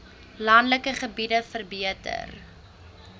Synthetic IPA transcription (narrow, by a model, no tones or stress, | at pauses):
lɐndləkəχəbidəfərbiətə̰r